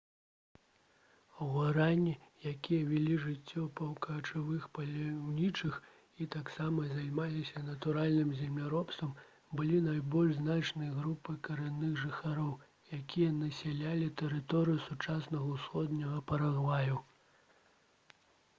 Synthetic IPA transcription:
ɐwaɾanʲːijakʲijɐvʲilʲiʐɨt͡sʲːɔpɐwkɐːt͡ʂɨvɨxpɐlʲawnʲit͡ʂɨx | it̪aksamɐzʲajmalʲisʲɐnɐt̪uɾalʲnɨmzʲɛmlʲaɾɔpst̪vɐm | bɨlʲinajbɔlʲʐznat͡ʂnɨjɐɣɾupɨkɐɾɛnːɨɣʐɨxaɾɔw | jakʲijɐnɐsʲɛlʲalʲit̪ɛɾɨt̪ɔɾɨjusut͡ʂasnɐɣɐwsxɔd̪nʲɐɣɐpɐɾaɣvaju

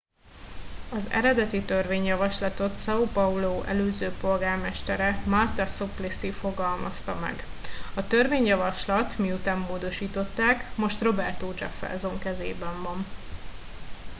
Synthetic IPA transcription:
ɒzɛ̰ɾɛd̪ɛt̪it̪ø̞rveːɲjɒvɒʃlɒt̪o̞t̪sɒupɒuloːʔɛ̰løːzøːpo̞lɡaːrmɛʃt̪ɛɾɛmɒrt̪ɒsoplisifo̞ɡɒlmɒst̪ɒmɛ̰ɡɒt̪ø̞rveːɲjɒvɒʃlɒt̪miut̪aːmːoːd̪o̞ʃiːt̪o̞t̪ːaːkmo̞ʃt̪ro̞bɛrt̪oːt͡ʃɒ̰fɛ̰zoŋkɛzḛːbɛɱvɒn

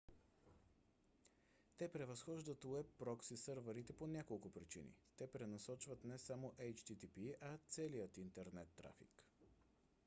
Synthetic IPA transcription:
t̪ɛpɾɛvɐsxɔʒd̪ət̪ʊɛpːɾɔksisɤɾvəɾit̪ɛponʲjakolˠkʊpɾit͡ʃḭnḭt̪ɛpɾɛnɐsɔt͡ʃvət̪nɛsamoʔɛjt͡ʃt̪it̪ipiʔɐt̪sɛlijət̪int̪ɛɾnɛt̪ːɾa̰fḭk

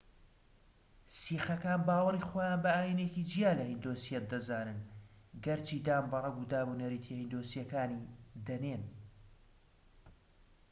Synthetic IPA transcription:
siːxɐkaːnbaːwɐriːχoːjaːnbɐaːjinekid͡ʒijaːlɐhind̪oːsijɐt̪̚d̪ɐzaːnɨnɡɐɾt͡ʃʰiːd̪aːmbɐrˤɐɡuːd̪aːbuneɾit̪ʰehind̪oːsijɐkaːnid̪ɐneːn

